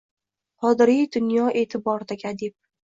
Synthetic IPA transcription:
qʰɒd̪ɪɾijd̪ʊnjɒʔe̞ːt̪ʰɪbɒɾd̪aɡʲad̪ep̚

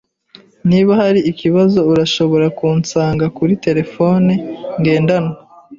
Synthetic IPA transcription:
niβahaɾiːkiβazo̞uɾaʃo̞βo̞ɾakuːnt͡saːŋɡakuɾite̞ɾe̞fo̞neŋɡe̞ːndano

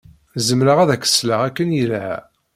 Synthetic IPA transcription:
zəmɾəʁæðækə̥sləʁækːənjilæ̰

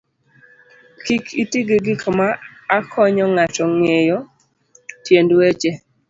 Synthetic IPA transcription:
kikitiɡeɡɪkʰɔmaːkʰɔɲɔŋatɔŋejɔ | tjendwet͡ʃe

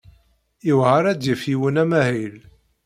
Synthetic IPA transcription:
iwʁaɾæd̪jəfiwənæmæhil

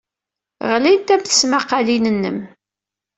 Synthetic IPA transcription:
ʁlint̪æmθə̥smaqːɑlinənːəm

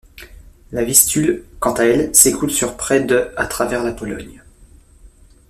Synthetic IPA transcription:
lavist̪ylkɑ̃t̪aɛlsekʰulsyʁpχɛd̪əat̪χavɛʁlapɔlɔ̰ɲ

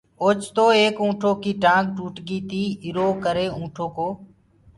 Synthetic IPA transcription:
oːt͡ʃt̪oːeːkũːʈʰoːkiːʈãːɡʈuːʈɡiːt̪iːɪɾoːkəɾeːũːʈʰoːkoː

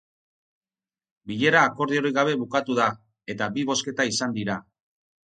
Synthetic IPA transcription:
biʎe̞ɾaːko̞ɾðio̞ɾiɣaβ̞e̞βukat̪uða | e̞t̪abiβo̞ske̞t̪aisand̪iɾa

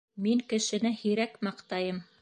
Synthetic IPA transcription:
miŋkɘ̆ʃɘ̆nɘhĭɾækmɑqt̪ɑjɤm

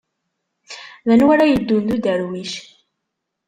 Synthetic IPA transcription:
ðænwæɾajəd̪ːund̪ud̪æɾwiʃ

